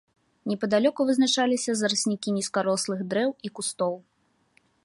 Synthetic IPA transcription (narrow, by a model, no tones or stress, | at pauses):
nʲɛpɐd̪alʲɔkuvɨznat͡ʂalʲisʲɐzɐɾɨsʲnʲikʲinʲiskaɾɔslˠɨɣd̪ɾɛwikust̪ɔw